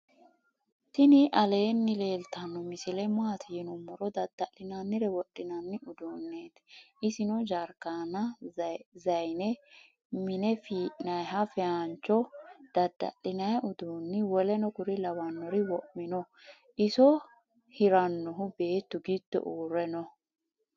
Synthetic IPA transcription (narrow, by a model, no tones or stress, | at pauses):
t̪ɪnɪʔɐle̞ːnːɪle̞ːlt̪ɐnːɔmɪsɪlɛmaːt̪ʰɪjɪnʊmːɔɾɔd̪ɐd̪ːɐlːɪnɐnːɪɾɛwɔɗːɪnɐnːɪʊd̪uːnːeːt̪ | ɪsɪnɔd͡ʒɐɾkaːnɐ | zɐjnɛ | mɪnɛfiːʔnɐjɦɐfɛant͡ʃːɔd̪̥ɐd̪ːɐ̰lɪnɐjʔʊd̪uːnːɪwɔlɛnɔkʊɾɪlɐwɐnːɔɾɪwɔʔmɪnɔ | ʔɪsɔ | hɪɾɐnːɔɦʊbe̞ːt̪ːʊɡɪd̪̥ːɔ̰ʔuːɾɛnɔ